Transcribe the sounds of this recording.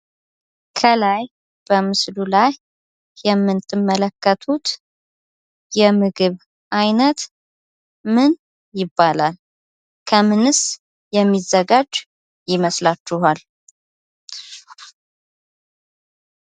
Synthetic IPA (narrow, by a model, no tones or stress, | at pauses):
kʰəlaj | b̥əmɨslulaj | jɛmːɨnt̪ʰːɨmːələkːət̪ʰut̪ | jɛmɨɡɨβ | ʔajnət̪ | mɨn | jɪbːalal | kʰəmɨnɨs | jɛmːizːəɡad͡ʒ | jɪməslat͡ʃːɪhal